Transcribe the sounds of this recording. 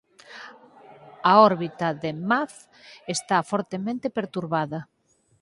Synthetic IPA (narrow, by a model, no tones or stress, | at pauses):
aɔɾβit̪ɐðemaθ | est̪afɔɾt̪emẽnt̪epeɾt̪uɾβaðɐ